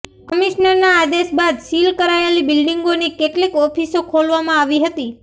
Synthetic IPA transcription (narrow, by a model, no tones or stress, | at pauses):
kəmiʃnəɾnaːd̪esbad̪silkəɾaelibilɖiŋɡonikeʈlikɔpʰisokʰolʋamãaʋiɦət̪i